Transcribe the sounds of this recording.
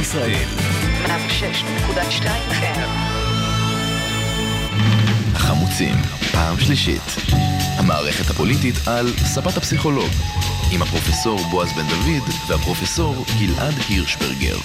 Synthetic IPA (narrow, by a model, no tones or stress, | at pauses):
isʁaʔḛl | mafʃeʃnekudaʃtajimχe | haχamut͡sḭmpaːmʃliʃḭt | hamaːʁeχet̪hapo̞lititʰalsabathapsiχo̞lo̞ɡimhapʁo̞feso̞ʁboazbend̪avidvehapʁo̞feso̞ʁɡilʔadhiʁʃbḛʁɡḛʁ